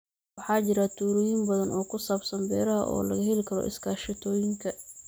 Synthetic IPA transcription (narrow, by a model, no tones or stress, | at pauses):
wɑħɑːt͡ʃɪɾɐt̪ʰuːɾɪjɪmbɐðɐnɔːkʰʊsaːbsɐmbɛːɾɐɦɐ̰ʔɔ̰ːlɐɣɐɦɛlɪkʰɐɾɔ̰ʔɪ̰skʰaːʃɪt̪ʰɔːjɪŋkʰɐ